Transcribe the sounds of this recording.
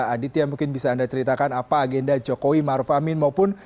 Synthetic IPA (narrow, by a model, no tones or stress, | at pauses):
adɪt̪jaŋmuŋkɪnbisaːndat͡ʃəɾit̪akanapaːɡɛndad͡ʒokowimaɾufamɪnmaupʊn